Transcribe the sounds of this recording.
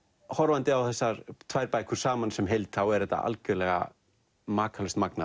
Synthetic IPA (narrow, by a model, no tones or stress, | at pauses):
hɔɾvant̪ɪawθɛsːaɾt̪ʰvaːjɾpajkʰʏ̥saːmansɛmɦejlt̪θawɛɾɛht̪ːa̰a̰lcʏɾlɛɣa̰ | maːkʰalʏst̪makna